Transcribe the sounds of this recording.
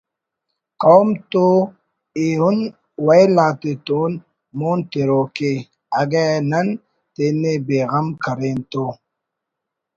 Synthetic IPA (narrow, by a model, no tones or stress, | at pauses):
kɔmto | ehun | wailateton | monteɾoke | aɡɛnan | tenebeɣamkaɾento